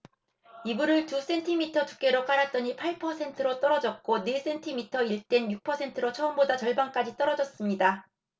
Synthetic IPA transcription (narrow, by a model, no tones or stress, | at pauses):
ibuɾɯɭtus͈e̞ntʰimitʰʌtu̥k͈e̞ɾok͈aɾat͈ʌɲipʰaɭpʰʌsʰe̞ntʰɯɾot͈ʌɾʌd͡ʑʌt̚k͈ones͈e̞ntʰimitʰʌiɭt͈e̞njuk̚pʰʌsʰe̞ntʰɯɾot͡ɕʰʌɯmbodat͡ɕʌɭbank͈ad͡ʑit͈ʌɾʌd͡ʑʌs͈ɯmɲida